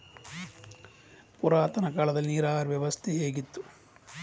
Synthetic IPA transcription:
puɾaːt̪ɐnɐkaːlɐd̪ɐlːiniːɾaːɐɾʋjɛʋɐst̪ʰeeːɡit̪ːu̥

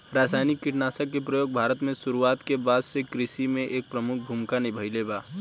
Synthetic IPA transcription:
ɾaːsaːjnɪkːɪʈnaːsakːepɾəjoːɡ̚bʱaːɾət̪mẽsʊɾuaːt̪kebaːd̪sekɾɪsimẽʔeːk̚pɾəmʊk̚ʰbʱumkanibʱəɪlebaː

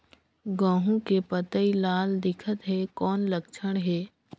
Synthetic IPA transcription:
ɡãːɦũkepət̪əilaːld̪ɪkʰət̪ɦɛkɔːnləkt͡ʃʰəɽ̃ɦɛː

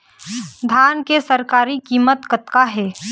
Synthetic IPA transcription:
d̪ʱaːnkesɐɾkaːɾikiːmət̪kət̪kaɦɛː

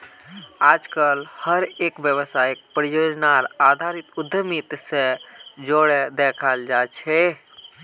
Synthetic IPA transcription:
aːd͡ʒkəlhəɾeːkʋjəʋəsaik̚pɾjoːd͡ʒnaɾaːd̪ʱaɾit̪ʊd̪ʱːəmit̪sẽd͡ʒoɽed̪ekʰald͡ʒat͡ʃʰɛ

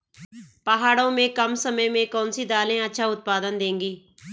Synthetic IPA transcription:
pəɦaːɽõːmẽːkəmsəməjmẽːkɔːnsiːd̪aːlẽːətːʃʰaːʊt̪̚paːd̪ənd̪ẽːŋɡiː

